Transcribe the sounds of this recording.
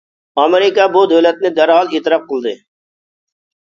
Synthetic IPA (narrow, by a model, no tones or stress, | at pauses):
ɑmeɾɪkɑbʊd̪owlɛt̪̚nɪd̪æɾɦɑlˠiːt̪ɪɾɑp̚qʰɨlˠd̪ɨ